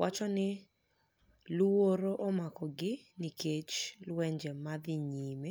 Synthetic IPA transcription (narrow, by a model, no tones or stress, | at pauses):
wʔat͡ʃɔnɪ | loɾoʔɔmakɔɡɪnikʰet͡ʃlwɛɲd͡ʒɛmad̪ɪɲime